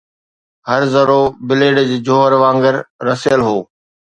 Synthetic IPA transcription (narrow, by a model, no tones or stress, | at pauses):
hɐɾzɐɾoːbɪleːɖd͡ʑeːd͡ʑoːɦəɾʋãːŋɡəɾːɐsjəlɦoː